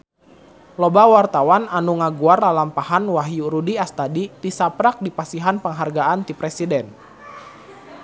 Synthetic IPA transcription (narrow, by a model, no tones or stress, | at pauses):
lɔbawart̪awananuŋaɡuarlalampahanwaɦjuɾudiast̪adit̪isapɾak̚dipasiɦanpəŋɦarɡaant̪ipɾɛsidɛn